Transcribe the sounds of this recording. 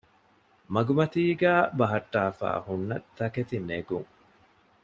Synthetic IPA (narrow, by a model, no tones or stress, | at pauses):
mɐɡumɐt̪iːɡæːbɐɦɐʈːaːfa̰ːhunːɐ̰t̪ːɐket̪ineɡuŋ